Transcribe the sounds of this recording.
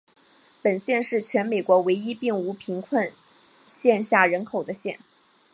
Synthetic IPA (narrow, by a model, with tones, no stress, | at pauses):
pə˨˩nɕjɛ˥˧nʂɻ̩˥˩t͡ɕʰɥɛ˧˥nme˨˩ɪkwɔ˧˥we˧˥ɪi˥pi˥˩ŋu˧˥pʰi˧˥ŋkʰwə˥˧n | ɕjɛ˥˧nɕja˥˩ɻə˧˥nkʰo˨˩ʊd̪ə˦ɕjɛ˥˩n